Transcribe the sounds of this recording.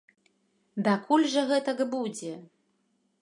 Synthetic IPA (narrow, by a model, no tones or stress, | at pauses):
d̪akulʲʐɐɣɛt̪ɐɡbud͡zʲɛ